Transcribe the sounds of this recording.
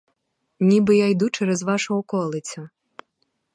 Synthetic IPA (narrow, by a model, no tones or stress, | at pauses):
nʲibɨjajd̪ut͡ʃɛɾɛzʋɑʃʊɔkɔlˠɪt͡sʲʊ